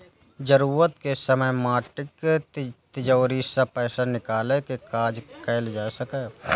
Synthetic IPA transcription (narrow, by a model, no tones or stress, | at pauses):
d͡ʒəɾuːɾət̪kesəməjmaːʈɪk | t̪ɪd͡ʒɔːɾisapɛːsanɪkaːlekekaːd͡ʒkɛːld͡ʒaːsəkeː